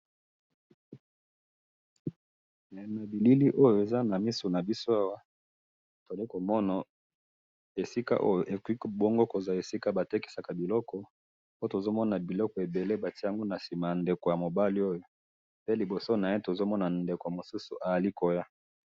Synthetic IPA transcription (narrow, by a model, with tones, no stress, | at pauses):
na˨˦na˨bi˨li˦li˦ʔo˦jo˨e˨za˦na˨mi˦su˨na˨bi˦so˦a˦wa˦ | to˨li˦ko˨mɔ˦na˨ | e˨si˦ka̰˦ʔo˦jo˨ʔe˨ki˦˨bo˦ŋɡo˦ko˨za˨e˨si˦ka˦ba˨te˦ki˨sa˨ka˨bi˨lɔ˦kɔ˨ | o˦to˨zo˦mɔ˦na˨bi˨lɔ˦kɔ˨e˨be˨le˦ba˨ti˦a˨ŋɡo˦na˨si˨ma˨ja˨nde˨ko˨ja˨mo˨ba˦li˦o˦jo˨ | pe˦li˨bo˨so˦na˨je˦to˨zo˦mɔ˦na˨nde˨ko˨mo˨su˦sṵ˨ʔa˨ja˨li˦ko˨ja˦